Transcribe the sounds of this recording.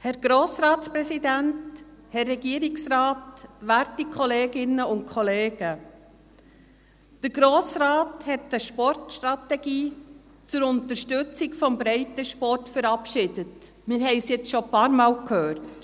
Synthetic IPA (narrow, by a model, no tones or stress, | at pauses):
hɛɾɡ̥ɾoːsɾɑːtspɾɛsidænt | hɛrːɛɡiəɾɪksɾɑːtʋæɾtikʰχɔleːɡɪnːəʊnt̚kʰɔleːɡ̥ə | d̥əɾɡ̥ɾoːsɾɑːthɛtəʃpɔrtʃtɾɑtɛɡ̥iː | t͡sʊɾʊntəʃtʏt͡sɪɡfɔmbɾɛɪtəʃpɔrtfəɾɑpʃɪd̥ət | mɪɾɦɛɪsjɛt͡sʃopɑːɾmɑːlkʰhøːɾt